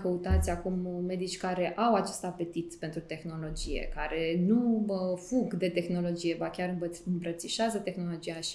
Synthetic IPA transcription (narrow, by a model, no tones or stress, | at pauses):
kəut̪at̪sʲakumːe̞d̪it͡ʃʲkaɾe̞ʔawat͡ʃest̪ape̞t̪it̪pent̪ɾut̪e̞xno̞lo̞d͡ʒije̞̰kaɾe̞nufuɡd̪e̞t̪e̞xno̞lo̞d͡ʒije̞bakʲaɾɨɨmbɾət̪siʃazət̪e̞xno̞lo̞d͡ʒiaʃi̥